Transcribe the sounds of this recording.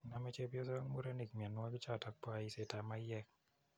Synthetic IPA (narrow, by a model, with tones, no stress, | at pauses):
na˨mɛ˦t͡ʃe˦bjɔ˦s̬ɔ˦ŋmu˦ɾa˦ni˨kmi˨ɛ˨nːwɔ˦ki˦t͡ʃa˦˨ta˦k̚pwa˦i˦se˨ta˨ma˦jɛ˦k̚